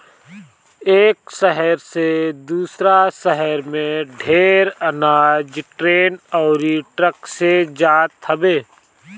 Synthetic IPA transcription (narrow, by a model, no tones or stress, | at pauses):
eːksəɦəɾsed̪uːsɾasəɦəɾmẽɖʱeːɾənaːd͡ʒʈɾeːnɔːɾiʈɾəksed͡ʒaːt̪ʰəbeː